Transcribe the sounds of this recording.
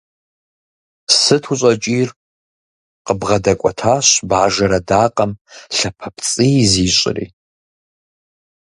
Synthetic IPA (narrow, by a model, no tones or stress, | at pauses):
sɨtʰuɕʼɐt͡ʃʼiːr | qəbʁɐdɐkʷʼɔtʰaːɕbaːʒɐɾɐdaːqʼɐmɬɐpʰɐpʰt͡sʼijziːɕʷʼɪ̰rḭː